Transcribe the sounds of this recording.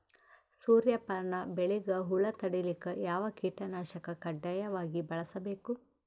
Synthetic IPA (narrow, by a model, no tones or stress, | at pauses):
suːɾjɐpɐɾɳɐbeɭiɡɐɦulɐt̪ɐɽilikɐjaːʋɐkiːʈɐnaːʃɐkɐkɐɖːɐjɐʋaːɡibɐɭɐsɐbeːku